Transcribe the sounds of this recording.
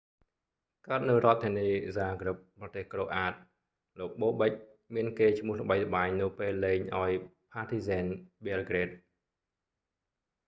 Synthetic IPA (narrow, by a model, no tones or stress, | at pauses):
kaət̪̚nɨwrŏət̪ʰːiəniːzaːɡrɨp̚prɑt̪eːhkroːʔaːt̪̚ | loːk̚ɓoːɓəc̚ | miənkeːt͡ɕʰmʊ̆əhlə̆ɓəjlə̆ɓaːɲnɨwpeːlːeːɲʔaɔjpʰaːt̪ʰiːzɛːnɓelɡreːt̪̚